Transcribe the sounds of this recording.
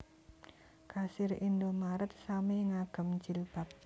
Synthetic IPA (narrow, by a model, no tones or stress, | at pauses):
kasɪɾind̪omaɾət̪̚sameŋaɡ̥ə̤mɲd͡ʒɪlb̥a̤p̚